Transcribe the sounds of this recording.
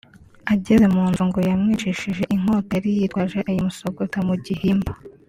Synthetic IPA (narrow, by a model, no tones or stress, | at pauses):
aɟeze̞muːnzuŋɡojamŋiːt͡ʃiʃiʒe̞ʔiŋ̥o̞ːtojaɾijiːtwaʒe̞ʔajumusoɡotamuɟihiːmbḁ